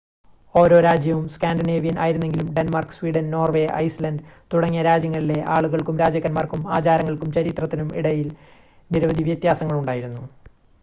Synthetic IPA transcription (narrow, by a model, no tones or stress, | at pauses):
o̞ːɾo̞ːɾaːd͡ʑjɐʋumskaːnɖineːʋijɐnʔa̰ːjiɾunːe̞ŋɡilumɖenmarkswiːɖɐnno̞ːrʋe̞ːʔɐ̰jslɐnɖt̪uɽɐŋːijɐɾaːd͡ʑjɐŋːɐɭile̞ʔaːɭuɣɐɭkumɾaːd͡ʑɐkːɐnmarkumaːt͡ɕaːɾɐŋːɐɭkumt͡ɕɐɾit̪rɐt̪ːinumḭɽɐjil | niɾɐʋɐd̪ʱiʋjɐt̪jaːsɐŋːɐɭuɳɖaːjiɾunːu